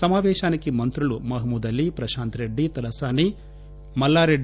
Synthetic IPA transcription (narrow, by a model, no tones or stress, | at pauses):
sɐmaːʋɛːʃaːnikimɐnt̪ɾulumɐɦɐmud̪ɐlːipɾɐʃaːnt̪ɾe̞ɖːit̪ɐlɐsaːni | mɐlːaːɾeɖ